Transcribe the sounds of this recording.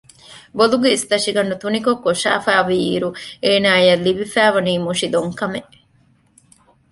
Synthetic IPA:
boluɡeist̪ɐʂiɡɐɳɖut̪unikokːoʂa̰ːfæːʋiḭːɾueːnaːjɐlːibifæːʋɐniːmuʂid̪oŋkɐme

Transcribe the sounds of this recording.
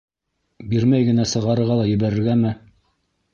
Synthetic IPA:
biɾmæjɡɘ̆næsɤ̆ʁɑɾɤ̆ɾʁɑlˠɑjɘ̆βæɾɘ̆ɾɡæmɘ

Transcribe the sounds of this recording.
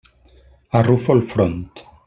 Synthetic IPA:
arufɔlfɾɔnt̪

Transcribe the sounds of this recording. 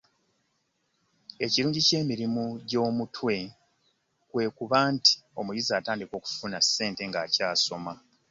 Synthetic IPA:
e̞ciɾuːɲɟice̞ːmiɾimuɟo̞ːmutʰwe̞ | kwe̞ːkuβaːnti̥o̞mujizaːtaːndiko̞ːku̥funase̞ːnte̞ŋɡaːcaːso̞ma

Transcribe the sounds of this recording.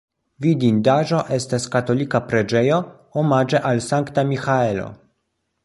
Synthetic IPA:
vidindaʒo̞ʔe̞staskato̞likapɾe̞d͡ʒe̞jo̞ | omad͡ʒe̞ʔalsaŋktamixae̞lo̞̰

